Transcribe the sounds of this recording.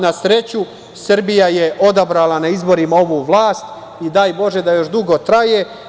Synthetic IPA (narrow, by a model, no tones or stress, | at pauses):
nasɾe̞t͡ɕu | sr̩bijaje̞ʔo̞d̪abɾalanaizbo̞ɾimao̞ʋuːʋlˠaːst̪ | id̪aːjbo̞ʒe̞d̪ajo̞ʃd̪uɡo̞t̪ɾaje